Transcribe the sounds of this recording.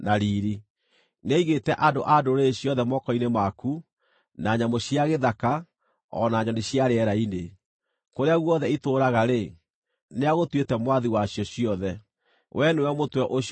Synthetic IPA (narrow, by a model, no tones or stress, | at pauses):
naɾiːɾi | neiɣetɛʔadoʔadoɾeɕjɔðɛmɔkɔinemaku | naɲamoɕjaɣeðaka | ɔ̰naːɲɔneɕjaɾeɛɾaine | koɾeaɣwɔðɛitoːɾaɣaɾe | neaɣotwetɛmwaðiwaɕjɔɕiɔðɛ | wʔɛnewɛmotwɛʔoɕ